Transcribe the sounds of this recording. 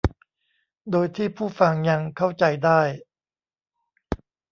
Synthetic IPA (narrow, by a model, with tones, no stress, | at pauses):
doː˧jt̪ʰiː˥˩pʰuː˥˩fa˧ŋɲa˧ŋkʰa˥˩wt͡ɕa˧jdaː˥˩j